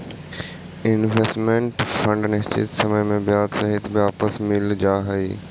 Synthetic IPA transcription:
ɪnʋesʈmẽɳʈfɐ̃ɳɖnɐɦt͡ɕḭtsɐməjmẽbɪjaːd̪sɐɦɪt̪ʰbaːpəsmɪld͡ʑaːɦɐiː

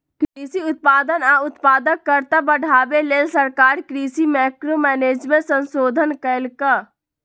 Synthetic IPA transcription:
kɾiːsiʊt̪̚paːd̪ənaːʊt̪paːd̪əkːəɾt̪abəɽʱaːbeleːlsəɾkaːɾkɾiːsimɛːkɾomɛːneːd͡ʒmẽsə̃nsoːd̪ʱənkəɪlka

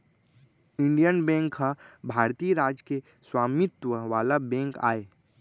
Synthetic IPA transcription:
ɪ̃ɳɖijənbɛ̃ːŋkɦabʱaːɾt̪iːjəɾaːd͡ʒke | swaːmɪt̪wəʋaːlabɛ̃ːŋka̰ːeː

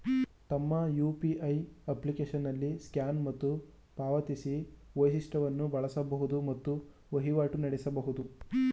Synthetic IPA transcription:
t̪ɐmːɐjuːpiʔɐjɐplikeːʃɐnːɐlːiskjaːnmɐt̪ːu | paːʋɐt̪isiʋojsiʂʈɐʋɐnːubɐɭɐsɐbɐɦud̪umɐt̪ːu | ʋɐɦiʋaːʈunɐɽesɐbɐɦud̪u

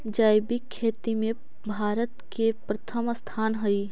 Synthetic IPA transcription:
d͡ʒaːjbikʰːeːt̪imẽ | bʱaːɾət̪kepɾɐt̪ʰəmst̪ʰaːnɦʊi

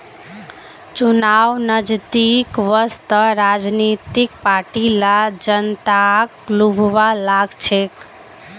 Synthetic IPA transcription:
t͡ʃunaʋnəd͡ʒt̪ikʋəst̪əɾad͡ʒnit̪ik̚paʈilad͡ʒənt̪aklubʱʋalaɡt͡ʃʰek

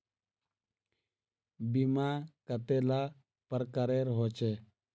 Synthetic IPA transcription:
bimakət̪elaː | pəɾkəɾeːɾɦoːt͡ʃeː

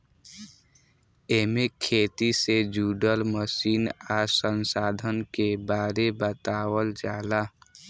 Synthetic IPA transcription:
eːmekʰeːt̪ised͡ʒuːɖəlməsiːnasənsaːd̪ʱənkebaːɾebət̪aːwəld͡ʒaːla

